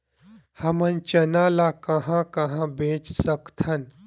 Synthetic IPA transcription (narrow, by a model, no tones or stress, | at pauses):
hɐmənt͡ʃɐnãːlaːkɐɦãkɐɦãbẽːt͡ʃsɐkt̪ʰɐn